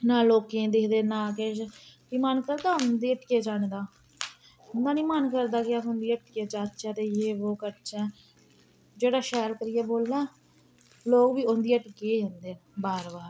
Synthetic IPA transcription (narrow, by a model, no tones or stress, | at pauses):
naːloːkẽːd̪ekʰd̪eːnãːkɛːkimənkəɾd̪aːʊnnd̪iːəʈkeːd͡ʒaːñẽːd̪aː | ʊnd̪aːnĩːmənkəɾd̪aːkɪaʊnd̪iːəʈkeːd͡ʒaːt̪t͡ʃɛːt̪eːjeːʋoːkət͡ʃɛ̃ː | d͡ʒeːɽaːʃɛːɾkəɾɪɛːboːlnɛ̃ː | loːkʋiːʊnd̪iːəʈked͡ʒãːnd̪eːbaːɾbaːɾ